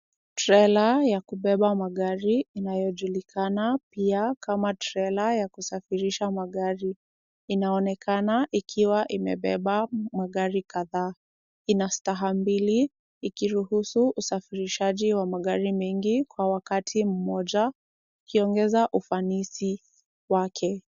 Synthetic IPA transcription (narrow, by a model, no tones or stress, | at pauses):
tɾɛlajakuɓɛɓamaɠaɾiːnajɔʄulikʰanapiakamatɾɛlajakusafiɾiʃamaɠaɾi | inaɔnɛkanaʔikʰiwaʔimɛ̰ɓɛɓamaɠaɾikaðaː | inastaɦambiliː | kiɾuhusuʔːsafiɾiʃaʄiwamaɠaɾimɛŋɡikwawakatʰim̩mɔʄa | ukiɔŋɡɛzaʔufanisi | wakʰɛ